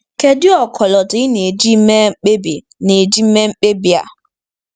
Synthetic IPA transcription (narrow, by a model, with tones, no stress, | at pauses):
ke˨dɪ˦ɔ˨kʰɔ˨lɔ˨dʊ˨ɪ˦ne˨d͡ʒi˦me˦k͡pe˦bi˨ | ne˨d͡ʒi˦m̩˦me˦ŋ͡m̩˦k͡pe˦bi˨a̰˨